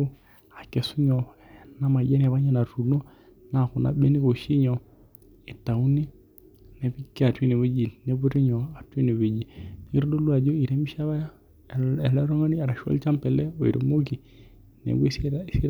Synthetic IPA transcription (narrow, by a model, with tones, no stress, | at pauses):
a˨kɛ˨su˦ɲɔ˨na˦ma˨d͡ʒɛ˦n˨a˨βa˦ɲa˦na˨ɾu˨no˦ | na˨ku˨na̰˨˦ɓe˦ni˦ko˨ʃi˦ɲɔ˨ | e˨ta˨u˦ni˦ | nɛ˨bi˦ki˦a˨twi˦ne˨we˦d͡ʒi˨ne˦bu˦ɾi˦ɲɔ˨a˨twi˦ne˨βe˨d͡ʒi˨ni˦ɾdo˦lwa˨d͡ʒo˦i˨ɾe˦mi˦ʃa˦βa˦ja˦˨ | ɛ˨lɔ˦ɾɔ˦ŋa˦ni˦a˨ɾa˨ʃɔ̰˦lt͡ʃa˦mpɛ˨lɛ˦o˨ḭ˨ɾo̰˨mo˦ki˨ | nɛ̰˨ɡsi˦ɾ